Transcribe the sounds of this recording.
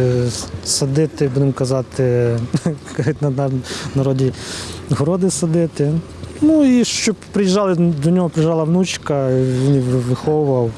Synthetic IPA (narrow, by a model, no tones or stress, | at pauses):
sɐd̪ɪt̪ɪbud̪ɪmkɐzɑt̪ɪ | kɐɐt̪ʲnɐnɐɾɔdʲiɦɔɾɔd̪ɪsɐd̪ɪt̪ɪ | nuiʃt͡ʃɔbpɾɪjiʒɑlˠɪd̪ɔnʲɔɦɔpɾɪjʒɑlˠɐwnut͡ʃkɐʋʲiniʋɪxɔwʊʋɐw